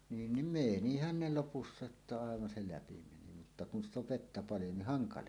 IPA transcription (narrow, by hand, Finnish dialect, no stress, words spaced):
niːn nim meˑnihæn ne lopusːɑ etːæ ɑˑeʋɑn se læpi meni mutːɑ kun st oʋ ʋetːæ pɑljo nih hɑŋkɑles